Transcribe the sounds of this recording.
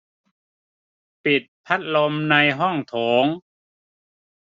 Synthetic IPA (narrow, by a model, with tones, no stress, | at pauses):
pi˨˩t̪̚pʰa˦˥t̪̚lo˧mna˧jɦɔ˥˩ŋt̪ʰoː˩˦ŋ